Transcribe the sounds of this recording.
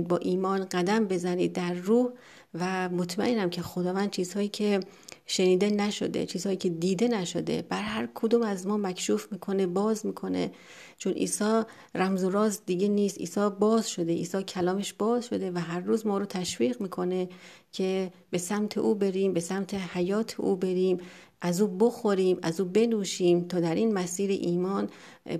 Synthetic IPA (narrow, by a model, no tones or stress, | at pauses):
bɒːʔiːmɒːnɢæd̪æmbe̞zæniːd̪̚ːæɾːuːh | væmot̪ʰmæ̰ʔenæmcʰe̞xod̪ɒːvæːnd̪t͡ʃʰiːz̥hɒːjiːcʰe̞ | ʃe̞niːd̪e̞næʃo̞̰d̪ḛt͡ʃʰiːz̥ɒːjiːcʰe̞d̪iːd̪e̞næʃod̪ḛbæɾɦæɾkʰod̪uːmæzmɒːmækʰʃuːfmiːkʰo̞ne̞bɒːzmiːkʰo̞nḛ | t͡ʃʰonʔḭːsɒː | ræmzoɾɒːzd̪iɟe̞niːst̪ḭːsɒːbɒːzʃo̞d̪e̞ʔḭːsɒːcʰælɒːme̞ʃb̥ɒːzʃo̞d̪e̞væɦæɾːuːzmɒːɾoːt̪ʰæʃviːɣmiːkʰo̞ne̞ | cʰe̞ | be̞sæmt̪ʰe̞̰ʔuːbe̞ɾiːmbe̞sæmt̪ʰehæjɒːt̪ʰḛʔṵːbe̞ɾiːm | ʔæzuːboxo̞ɾiːmæzuːbe̞nuːʃiːmt̪ʰɒːd̪æɾʔiːnmæsiːɾḛʔiːmɒːn